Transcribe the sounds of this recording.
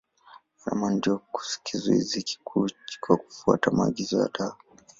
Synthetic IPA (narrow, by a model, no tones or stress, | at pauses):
na̰mandiɔku̥si̥kʰizuḭziki̥kʰu̥kwaku̥fua̰tamaːɠizɔja̰ɗa